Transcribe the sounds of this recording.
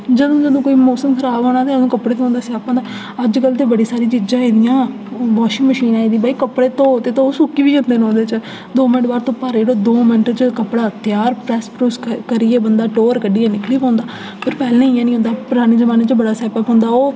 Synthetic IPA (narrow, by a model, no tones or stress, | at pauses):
d͡ʒəd̪õːd͡ʒəd̪õːkoːiːmɔːsəmkʰəɾaːboːɽ̃aːt̪eːd̪õːkəpɽeːt̪õɦʊ̃nd̪aːsaːpõːnd̪aː | əd͡ʒkəlt̪eːbəɽiːsaːɾiːt͡ʃid͡ʒãːẽːd̪ɪjãː | ʋɔːʃɪ̃ŋɡməʃiːnãːiːd̪iːbaːiːkəpɽeːt̪õːt̪eːt̪õoːsʊkiːʋiːənd̪eːnõːd̪eːt͡ʃə | d̪oːmɪnəʈbaːɾt̪õːpaːɾeɽoːd̪oːmɪnəʈt͡ʃəkəpːɽaːt̪jaːɾpɾɛːspɾuːskəɾiːeːbənd̪aːʈoːɾkəɖiːãːnɪkliːpãːnd̪aː | pʰɪɾpɛːlːneiãːnĩːõnd̪aːpʊɾaːñeːzəmaːneːt͡ʃbəɽaːsɛːpəːpɦʊ̃nd̪aːoː